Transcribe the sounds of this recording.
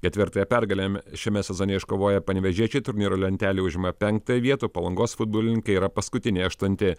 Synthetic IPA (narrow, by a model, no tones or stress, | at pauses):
kʲɛt̪ʲʋʲɪɾt̪ɐːjɛpʲɛɾɡɐlʲemʲʃʲɛmʲɛsʲɛzoːnʲeɛɪʃkoːʋoːjɛpɐnʲʋʲɛʒʲiɛt͡ʃʲɛɪt̪ʊɾʲnʲiːɾoːlʲɛnʲt̪ʲæːlʲiːʊʒʲɪmɐpʲɛŋk̚t̪ɐjɛʋʲiɛt̪uːpɐlˠɐŋɡoːsfʊd̪̚boːlʲɪnʲɪŋkɐiɾɐpɐskʊt̪ʲɪnʲeɐʃt̪ʊnʲt̪ʲɪ